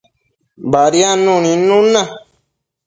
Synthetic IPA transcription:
baɾianũnĩnũnã

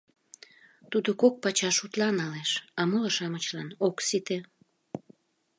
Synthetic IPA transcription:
t̪ud̪okok̚pɑt͡ɕɑʃut̪lɑnɑleʃɑmolɑʃɑmət͡ɕlɑnoksit̪e

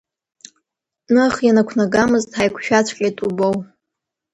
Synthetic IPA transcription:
nɨaχjanakʷʰnaɡamɨztʼħajkʷʰʃᶣat͡ɕʷʰkʲʼatʼubow

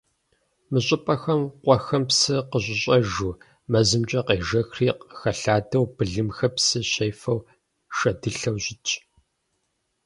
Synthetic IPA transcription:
mɨɕʼɪpʼɐxɐmqʷʼɔxɐmpsɨqəɕʷʼɪɕʼɐʒuː | mɐzɨmt͡ʃʼɐqeːʒɐxriːqxɐɬaːdɐwbɨɮɨmxɐpsɨɕɐjfɐw | ʃɐdɨɬɐwɕʼɪt͡ʃʰʼ

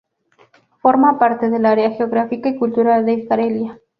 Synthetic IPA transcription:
foɾmapaɾt̪eðelaɾeaxeoɣɾafikaikult̪uɾald̪eiskaɾelja

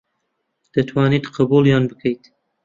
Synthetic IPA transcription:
d̪̥ɐt̪ʰwɑːnid̪qʰəbuljɑːnbɨkʰəjt̪

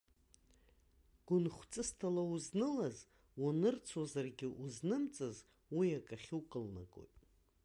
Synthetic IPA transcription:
ɡ̥ʷʊnχʷt͡sʼɨstʰalauznɨlaz | wanɨrt͡sʰozarɡʲɪʔuznɨmt͡sʼɨz | wijakʼaχʲuwkʼɨlna̰kʼo̰jtʼ

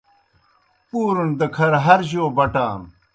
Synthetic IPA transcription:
puːɾund̪ɐkʰɐɾɦɐɾʑoːbɐʈaːm

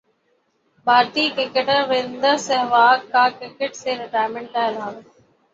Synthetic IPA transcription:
bʱaːɾt̪iːkɾɪkəʈəɾʋɪ̃nd̪əsɛɦʋaːkʰːaːkɾɪkeʈseːɾɪʈaːjɾmẽɳʈʈaːɪlɦaːl

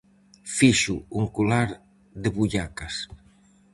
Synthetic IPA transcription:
fiʃuuŋkulaɾ | ðeβuʎakas

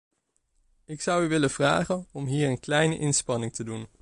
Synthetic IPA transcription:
ɪksʌwyʋɪləv̥ra̰ːχənɔmɦiːɹənklɛjnəʔɪnspɑnɪŋtədun

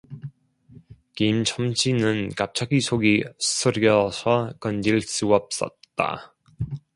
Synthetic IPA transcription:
kimt͡ɕʰʌmt͡ɕʰinɯnkap̚t͡ɕʰaɡisʰoɡi̥sʰɯɾʌsʰʌkʌnd͡ʑiɭs͈uʌp̚s͈ʌ̰t̚t͈a̰

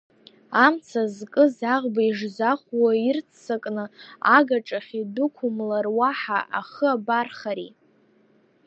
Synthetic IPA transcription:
amt͡sʰazkʼɨzaʁbaiʐzaχʷwairt͡sʰsakʼnɨa̰ɡaʈ͡ʂʼaχʲidʊkʷʰʊmlarwaħaʔaχəabarχaɾi

